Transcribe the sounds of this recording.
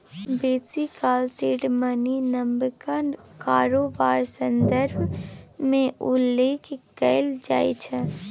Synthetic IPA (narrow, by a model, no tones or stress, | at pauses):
beːsikaːlseːɖməninəmbkəkaːɾobaːɾsə̃nd̪əɾbʱmẽʔʊlːeːkikəɪld͡ʒa̰ːit͡ʃʰɛ